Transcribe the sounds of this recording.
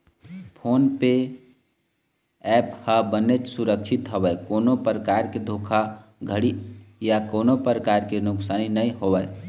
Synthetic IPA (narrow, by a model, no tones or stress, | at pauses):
pʰoːnpe | ɛphəbənet͡ʃsuɾəkt͡ʃʰɪt̪ɦobəkoːnopɾəkaɾked̪ʱoːkʰaɡʱəɽijakoːnopɾəkaɾkenʊksaːninəĩɦobəj